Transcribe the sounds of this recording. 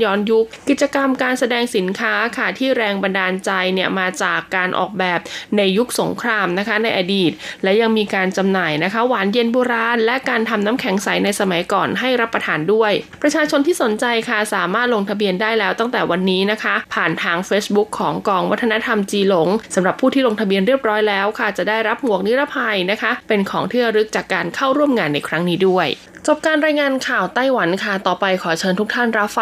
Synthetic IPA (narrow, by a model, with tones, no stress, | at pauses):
jɔː˧˥nju˦˥k̚ki˨˩t̪̚t͡ɕa˧ka˧mkaː˧nsa˧dɛː˧ŋsi˩˦nkʰaː˦˥kʰa˥˩t̪ʰiː˥˩ɾɛː˧ŋba˧ndaː˧nt͡ɕa˧jni˥˩əmaː˧t͡ɕaː˨˩kːaː˧nʔɔ̰ː˨˩k̚bɛː˨˩p̚na˧jːu˦˥k̚so˩˦ŋkʰɾaː˧mna˦˥kʰa˦˥na˧jʔa˧diː˨˩t̪̚lɛ˦˥ja˧ŋmiː˧kaː˧nt͡ɕa˧mnaː˨˩jna˦˥kʰa˦˥waː˩˦nje˧nboː˧ɾaː˧nlɛ˦˥ʔkaː˧nt̪ʰa˧mnaː˦˥mkʰɛ˩˦ŋsa˩˦jna˧jsa˧ma˩˦jkɔː˨˩nɦa˥˩jɾa˦˥pːɾa˧t̪ʰaː˨˧ndu˥˩əjpɾa˧t͡ɕʰaː˧t͡ɕʰo˧nt̪ʰiː˥˩so˩˦nt͡ɕa˧jkʰa˥˩saː˩˦maː˥˩t̪̚lo˧ŋt̪ʰa˧bi˧əndaː˥˩jlɛː˦˥wt̪a˥˩ŋt̪ɛː˨˩wa˧nːiː˦˥na˦˥kʰa˦˥pʰaː˨˩nt̪ʰaː˧ŋfeː˦˥sbu˦˥kʰːɔː˩˦ŋkɔː˧ŋwa˦˥t̪ʰːa˧na˦˥t̪ʰa˧mt͡ɕiː˧lo˩˦ŋsa˩˦mɾa˨˩pʰːuː˥t̪ʰiː˥lo˧ŋt̪ʰbi˧ənɾi˥˩əp̚ɾɔː˦˥jlɛː˦˥wkʰa˥˩t͡ɕa˨˩ʔdaː˥˩jɾa˦˥p̚mu˨˩ək̚ni˦˥ɾa˦˥pʰa˧jna˦˥kʰa˦˥pe˧nkʰɔː˩˦ŋt̪ʰɯ˥˩əɾɯ˦˥k̚t͡ɕaː˨˩kːaː˧nkʰa˥˩wɾu˥˩əmŋaː˧nːa˧jkʰɾa˦˥ŋniː˦˥du˥˩əj | t͡ɕo˨˩p̚kaː˧nɾaː˧jŋaː˧nkʰaː˨˩wt̪a˥˩jwa˩˦nkʰa˥˩t̪ɔː˨˩pa˧jkʰɔː˩˦t͡ɕʰɤː˧nt̪ʰu˦˥k̚t̪ʰa˥˩nɾa˦˥p̚